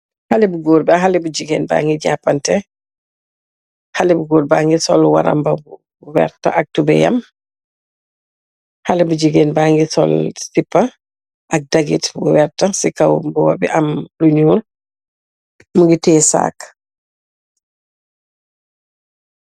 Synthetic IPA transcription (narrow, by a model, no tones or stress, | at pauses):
halɛbuɡoːɾbaɦalɛbud͡ʒiɡɛːnba̰ːŋɡiɟapːantɛ | halɛbuɡoːɾbaŋɡisɔlwa̰ɾa̰mbau | uwɛ̰ɾta̰ʔak̚tubɛjɐ̰m | halɛbuɟiɡɛnbaŋɡisɔ̰lsipːa | ʔɐk̚daɡitbuwɛɾtasikawbuwabiʔɐmluɲuːl | muŋɡitɛːsa̰ːk